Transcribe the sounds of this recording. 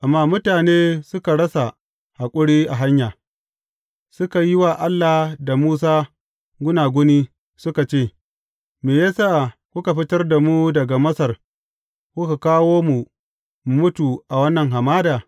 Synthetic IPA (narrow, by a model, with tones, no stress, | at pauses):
ʔa˨mːaː˦mʊ˦taː˨neː˦sʊ˦ka˨ɽɐ˦sa˨ | ha˨kʷʼʊ˦ɽiː˦ʔa˨ɦa˦ɲjaː˨ | sʊ˦ka˨jɪ˦waː˨ʔa˦lːa˨da˨muː˦s̬aː˦ | ɡʷʊ˦naː˨ɡʷʊ˦niː˦ | sʊ˦ka˨t͡ʃeː˦˨ | meː˨jaː˦saː˦ʔkʷʊ˦ka˨ɸɪ˦tɐ˦rda˨mu˦dɐ˨ɡa˨mɐ˦sɐ˨r | kʷʊ˦ka˨kaː˦woː˦mu˨ | mu˨mʊ˦tu˨ʔa˨wɐ˦nːɐ˨ŋɦa˨maː˦daː˨